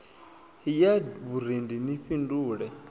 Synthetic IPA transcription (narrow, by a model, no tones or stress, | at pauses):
ijaβuɾ̤indiniɸinduːɺɛ